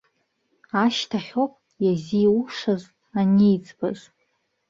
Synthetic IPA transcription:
aʃtʰaχʲopʼ | jaziuʂaz | anijd͡zʼba̰z

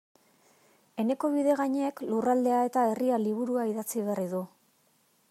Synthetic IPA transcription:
e̞ne̞ko̞β̞iðe̞ɣaɲeːklurald̪e̞ae̞t̪ae̞rialiβ̞uɾuaiðat͡siβeariðu

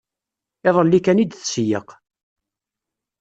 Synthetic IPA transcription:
ɪðˤəlːikænid̪θsjəq

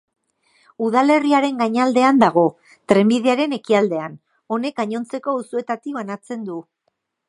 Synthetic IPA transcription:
uð̞ale̞riaɾe̞ŋɡajɲald̪e̞and̪aɣ̞o̞ | t̪ɾe̞mbiðe̞aɾe̞ne̞kiald̪e̞an | o̞ne̞kaɲo̞nt͡se̞ko̞usue̞t̪at̪iβanat͡se̞nd̪u

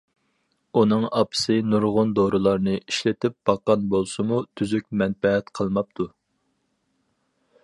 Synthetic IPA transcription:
unɨŋɑpʰɨ̥sɨnuɾʁʊnd̪oɾɨlˠɑɾnɨiʃlɪt̪ʰɪp̚b̥ɑqːɑnbolˠsɨmut̪ʰyzyk̚ʲmɛnpɛɦɛt̪qʰəlˠmɑp̚t̪ʰu

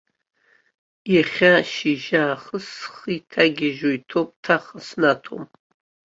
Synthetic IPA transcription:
jaχʲaʃiʒaːχəsχitʰaɡʲɪʒojtʰop̚ʼtʰaχəsnatʰo̰m

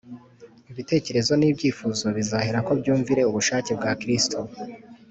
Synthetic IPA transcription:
iβite̞ːce̞ɾe̞zo̞niːbɟiːfuːzo̞βizaheɾako̞bɟuːɱviɾe̞uβuʃaːce̞b̚ɡaːkɾistʰo

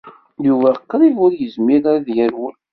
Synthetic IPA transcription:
juvæqːɾˤivʊɾjəzmiɾaɾaðjæɾwə̰l

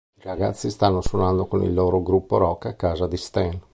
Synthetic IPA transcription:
iɾaɡat̪sːist̪anːoswonand̪okonḭlːoːɾoɡɾupːoɾɔkːakːaːzad̪ist̪ɛn

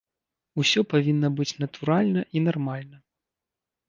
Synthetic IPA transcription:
usʲɔpavʲinːɐbɨt͡sʲnɐt̪uɾalʲnɐʔinarmalʲnɐ

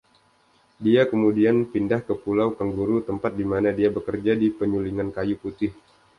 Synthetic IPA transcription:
diakəmudianpindahkəpulawkəŋɡuɾut̪əmpat̪̚dimanadiabəkərd͡ʒadipəɲuliŋankajuput̪ɪh

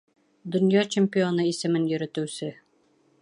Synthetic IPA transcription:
d̪ŏnjɑt͡ɕemʲpʲionɤisɘ̆mɘnjɵ̆ɾɘ̆t̪ɘ̆sɘ

